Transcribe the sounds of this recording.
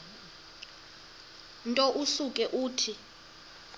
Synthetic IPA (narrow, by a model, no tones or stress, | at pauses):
ntʼɔʔusukʼɛʔuːtʰi